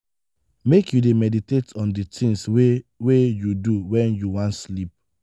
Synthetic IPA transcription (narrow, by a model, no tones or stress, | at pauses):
mekjudemɛditetɔ̃nditʰĩnswwejuduwɛ̃njuwãntslip̚